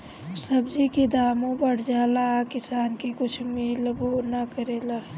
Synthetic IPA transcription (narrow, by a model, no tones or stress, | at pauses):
səbd͡ʒikid̪aːmõbəɽ̤d͡ʒaːlakɪsaːnkekʊt͡ʃʰmilboːnakəɾeːlaː